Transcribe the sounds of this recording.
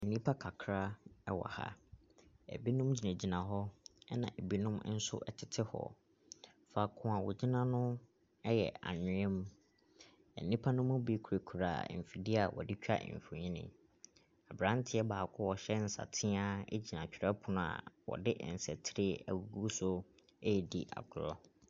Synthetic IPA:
ɛ˨nĩ˦pʰa˦kʰa˨kʰɾa˦ɛ˦wɔ̰˨ha̰˦ | ɛ̰˨bi˦nʊ̃˦md͡ʑi˨nã˨d͡ʑi˨nã˨ɦɔ˦ɛ˦nã̰˨e˨bi˦nʊ̃˦m˦n̩˦sʊ̰˦ʔɛ˦tʰɪ˨tʰɪ˦hɔ̰˨ | fa˨kʰʊ̃˨a˨wʊ˨d͡ʑi˦nã˦nʊ̃˦ | ɛ˦jɛ̰˨a̰˨ɲɪ̃˨˦ɛ̃˦mũ˦ | ɛ̰˨nĩ˦pʰa˦nʊ̃˦mʊ̃˦bi˦kʰu˨ɾe˨kʰu˨ɾa̰˨m̩˨fi˨di˦a˨wɔ̰˨dɪ˦t͡ɕᶣa̰˦ʔ̩˨fi˨ɲĩ˦nɪ̰̃˨ | a˨bɾã˦n˦tʰɪ˦ɛ˦baː˨kʰʊ˦wɔ˨ɕɛ˦n̩˨sa̰˨tʰɪ̃˦a˦ḛ˦d͡ʑi˨nã˨t͡ɕᶣʰɪ˨ɾɛ˦pʰʊ˨nʊ̃˦a̰˨wɔ̰˨dɪ˦ʔn̩˨sɛ˨tʰɪ˦ɾɪ˦æ̰˨wu˨ɡu˦so˦ | e˦˨dḭ˦ʔa̰˨ɡʰʊ˨lɔ˦

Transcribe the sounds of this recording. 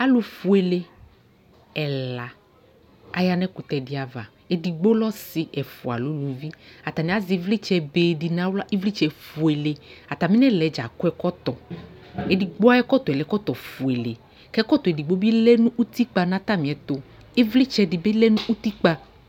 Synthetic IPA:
a˦lo˨fu˨e˨le˦ | ɛ˨la˨ | a˨ja˨nɛ̃˦ku˨t̪ɛ˨di˨a˨va̰˨ | e˦di˨ɡ͡bo˦lɔ˦si˨ʔɛ˨fṵ˨a̰˨lo˨˦lu˨vi˦a˨t̪a˨nĩ˨a˦zi˨˦vli˦t͡ʃɛ˨be˨di˨nã˦wla˦ʔe˦vli˦t͡ʃɛ˨fu˨ɛ˨le˨a˨t̪a˨mĩ˦nɛ̃˦lɛ˨d͡ʒa̰˨ko˦ɛ˦kɔ˦t̪ɔ˨ | e˦di˨ɡ͡bo˦a˦ɛ˦kɔ˦t̪ɔ˨ɛ˨lɛ˨˦kɔ˦t̪ɔ˨fu˨e˨lḛ˨ | kɛ˦kɔ˦t̪ɔ˨e˨di˨ɡ͡bo˦bi˦lɛ˦nũ˦ʔu˦t̪i˦k͡pa˦nã˦t̪a˦mĩ˨ɛ˨t̪o˨ | e˦vli˦t͡ʃɛ˦di˨be˦lɛ˦nũ˦ʔu˦t̪i˦k͡pa˦

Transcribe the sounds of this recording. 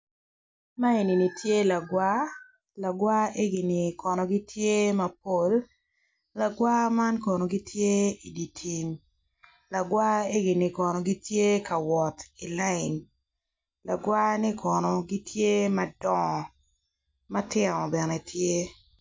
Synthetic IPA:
ma˦e˨ni˨ni˨tje˦la˨ɡwa˦ | la˨ɡwa˦e˦ɡi˨nɪ˨kʰɔ˨nɔ˨ɡi˦tʰje˦mɐ˦p̚o˦l | la˨ɡwa˦ma˦nkɔ˨no˨ɡi˦tje˦i˨di˨tʰi˨n | la˨ɡwa˦e˦ɡi˨ni˨kɔ˨nɔ˨ɡi˦tje˦ka˨wɔ˨ti˨la˦ɪ˨n | la˨ɡwa˦nɪ˦kʰɔ˨nɔ˨ɡi˦tʰje˦mɐ˦dɔ˦ŋɔ˨ | mɐ˦tɪ˦nɔ˨bɛ˨nɛ˨tʰje˦

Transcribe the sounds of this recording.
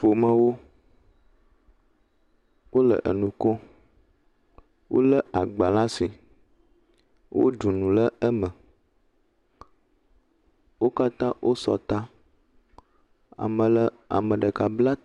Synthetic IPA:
fo˨mə̃˦wo˦ | wʔo˦lə̰˨ʔə̰˨nũ˨kɔ˦ | wʔo̰˦lə˦a˨ɡ͡ba˨la˦si˨ | wʔo̰˦ɖu˨nũ˨lə˦ə˦mə̃˨ | wo˦ka˦t̪ã˦wʔo˦sɔ̰˨t̪a˦ | a̰˨mə̃˨lə˦ | a̰˨mə̃˨ɖə˨ka˨bla˦

